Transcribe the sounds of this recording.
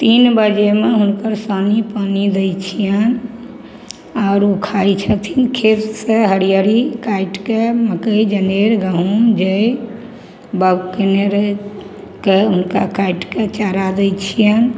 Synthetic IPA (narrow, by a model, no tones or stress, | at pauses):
t̪inbəd͡ʒemeɦunkəɾsənipənid̪et͡ʃʰijən | aʊɾukʰajt͡ʃʰət̪ʰinkʰet̪səɦəɽijəɾikaiʈkeməkəid͡ʒəneɾɡəɦund͡ʒej | bəɡkeneɾ | keɦunkakaiʈket͡ʃaɾad̪ejt͡ʃʰijən